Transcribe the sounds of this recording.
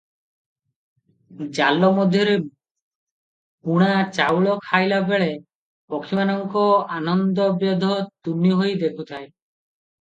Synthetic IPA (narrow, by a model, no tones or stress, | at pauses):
d͡ʒalɔmɔd̪ʱjɔɾe | puɽ̃at͡ʃawɭɔkʰajlabeɭe | pɔkʰimanɔŋkɔanɔnd̪ɔbjɔd̪ʱɔt̪uniɦojd̪ekʰut̪ʰae